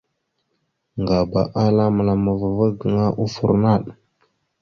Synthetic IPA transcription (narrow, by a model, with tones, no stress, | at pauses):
ŋɡa˨ba˨ʔa˦la˦mə˨la˨ma˨va˨va˦ɡə˨ŋa˦ʔu˦fṵ˨ɾna˦˨ɗ